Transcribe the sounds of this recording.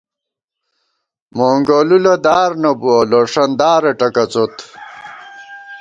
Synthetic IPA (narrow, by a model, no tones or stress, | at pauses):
moːŋɡolulɐd̪aːɾnɐbuɐloʂɐnd̪aːɾeʈɐkɐt͡sot̪